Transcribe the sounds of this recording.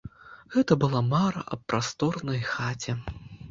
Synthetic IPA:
ɣɛt̪ɐbɨlˠamaɾɐ̰ʔɐpːɾast̪ɔrnɐjxat͡sʲɛ

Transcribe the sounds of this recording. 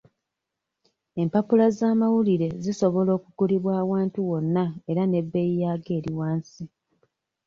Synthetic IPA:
e̞mpapulazaːmawuliɾe̞ziso̞βo̞lo̞ːkuɡuliβwaːwaːntuwo̞nːae̞ɾane̞bːe̞jijaːɡe̞ːɾiwaːnsi

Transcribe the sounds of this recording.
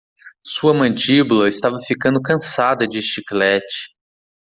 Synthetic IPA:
suɐmɐ̃d͡ʒibulɐɪst̪avɐfikɐ̃nd̪ʊkɐ̃sad̪ɐd͡ʒɪʃiklɛt͡ʃɪ̥

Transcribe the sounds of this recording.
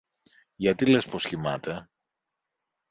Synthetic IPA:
ʝɐt̪ile̞sposçimɐt̪e̞

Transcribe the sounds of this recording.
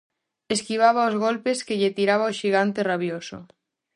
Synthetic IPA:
eskiβ̞aβaozɣ̞olpeskeʎet̪iɾaβ̞aoʃiɣ̞ant̪eraβ̞joso̰

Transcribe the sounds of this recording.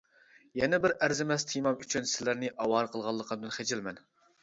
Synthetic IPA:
jɛnɛbɪɾæɾzɪmɛst̪ʰijmɑmyt͡ʃʰynsɪlæɾnɪʔɑwɑɾqʰəlˠʁɑlˠːəqʰəd̪ɨnχed͡ʒɪlmɛn

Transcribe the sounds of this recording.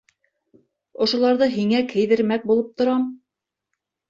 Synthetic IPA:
ŏʃŏlˠɑɾðɤɦiŋækʰɘ̆jðɘ̆ɾmæk̚bulˠɤp̚t̪ŏɾɑm

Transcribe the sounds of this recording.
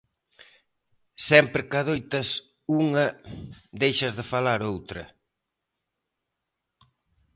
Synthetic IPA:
sɛmpɾɪkɐðojt̪ɐs | uŋɐd̪ejʃɐzðɪfalaɾowt̪ɾɐ̰

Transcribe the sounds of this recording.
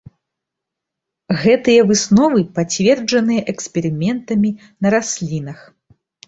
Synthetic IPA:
ɣɛt̪ɨjɐvɨsnɔvɨpat͡sʲvʲɛrd͡ʐɐnɨjɐʔɛksʲpʲɛɾɨmʲɛnt̪ɐmʲi | nɐɾasʲlʲinɐx

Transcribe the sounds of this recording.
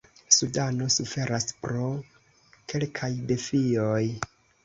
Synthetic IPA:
sudano̞sufe̞ɾaspɾo̞ | ke̞lkʰajde̞fioj

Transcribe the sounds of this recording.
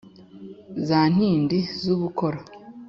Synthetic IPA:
zaːn̥hiːndizuβukoɾa

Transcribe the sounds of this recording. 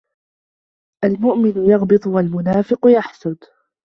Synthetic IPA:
ʔalmʊʔmɪnʊjɑɣbɨt̪ˤʊwalmʊnaːfɪqjaħsʊd̪

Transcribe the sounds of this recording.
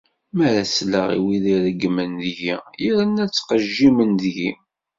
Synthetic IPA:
mæɾæsləʁḭwiðiɾəɡːmənðjiiɾənːæt͡sːqəʒːimənðʝi

